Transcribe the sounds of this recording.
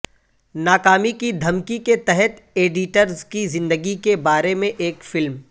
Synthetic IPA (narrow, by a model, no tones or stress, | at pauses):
naːkaːmikid̪ʱɐmkiket̪ɛɦɛt̪ | eːɖɪʈəɾzkizɪ̃nd̪əɡikebaːɾemẽʔeːkfɪlm